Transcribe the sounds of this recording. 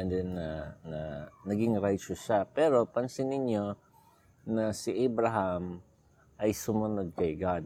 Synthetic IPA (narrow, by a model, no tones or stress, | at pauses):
ɛnd̪ɛnːɐnɐnɐɡɪŋɾajt͡ʃʊsʃapɛːɾo̞pɐnsɪnɪɲjo | nɐsiʔabɾaɦam | ʔɐjsʊmɐnod̪̚kɐjɡad̪